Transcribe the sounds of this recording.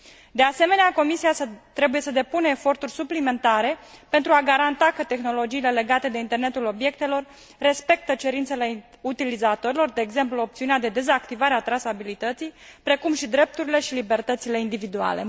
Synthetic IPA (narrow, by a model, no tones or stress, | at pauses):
d̪e̞ase̞me̞neako̞misiat̪ɾe̞buje̞səd̪e̞punəːfo̞rt̪urʲsuplime̞nt̪aɾe̞pent̪ɾuaɡaɾant̪akət̪e̞xno̞lo̞d͡ʒiːle̞le̞ɡat̪e̞d̪e̞int̪e̞rne̞t̪ulo̞bje̞k̚t̪e̞lo̞rː | e̞spe̞k̚t̪ət͡ʃe̞ɾint̪se̞le̞ | ut̪ilizat̪o̞ɾilo̞rd̪e̞ːɡze̞mpluo̞p̚t̪siunead̪e̞d̪e̞zakt̪ivaɾeat̪ɾasabilit̪ət̪sijpɾe̞kumʃid̪ɾe̞p̚t̪uɾile̞ʃilibe̞rt̪ət̪sile̞ind̪ivid̪ua̰le̞